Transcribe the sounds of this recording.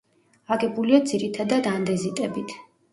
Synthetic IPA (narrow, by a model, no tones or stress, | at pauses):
aɡɛbuliad̪ziɾit̪ʰad̪ad̪and̪ɛzit̪ʼɛbit̪ʰ